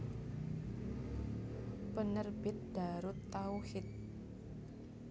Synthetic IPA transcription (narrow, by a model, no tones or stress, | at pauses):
pənərb̥ɪt̪̚d̪̥a̤ɾʊt̪ːauhɪt̪̚